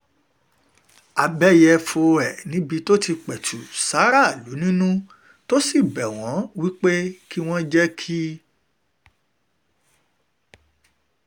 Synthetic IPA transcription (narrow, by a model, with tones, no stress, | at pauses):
a˨bɛ˦jɛ˧fo˧ɛ˨nĩ˨˦bi˧to˦ti˧k͡pɛ˨tʰu˨sa˨˦ɾa˦˨lu˨˦nĩ˦nũ˦ | to˦si˦˨bɛ˨w̃ɔ̃˨˦wi˦k͡pe˦ki˦w̃ɔ̃˦d͡ʒɛ˦kʰi˦